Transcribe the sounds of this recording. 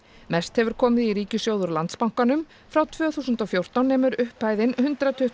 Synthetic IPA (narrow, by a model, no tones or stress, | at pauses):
mɛst̪hɛvʏɾ̥kʰɔːmɪðiɾiːcʏsjoːwðʏɾlant̪spawŋ̥kanʏm | fɾawt̪ʰvœːθuːsʏnt̪ɔfjowɾ̥t̪awnːɛːmʏɾʏhpaːjðɪnhʏnt̪ɾat̪ʰʏh